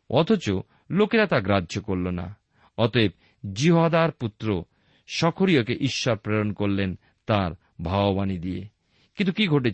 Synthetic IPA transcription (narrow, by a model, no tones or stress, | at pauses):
ɔ̰t̪ʰot͡ɕo | lokeɾat̪aɡɾadd͡ʑokoɾlona̰ | ɔt̪oeb̚ | d͡ʑiɦoad̪aɾput̪ːɾo | ʃɔkʰoɾijokeʔiʃːaɾpɾeɾonkoɾlen | t̪aɾ | bʱaobanid̪iḛ | kint̪ʰukiɡʱoʈe